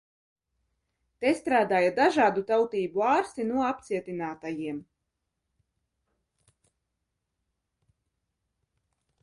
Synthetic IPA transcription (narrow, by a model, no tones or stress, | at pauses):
t̪ɛst̪ɾaːd̪aːjad̪aʒaːd̪ut̪awt̪iːbuaːɾsinuɔapt̪siɛt̪inaːt̪ajiɛm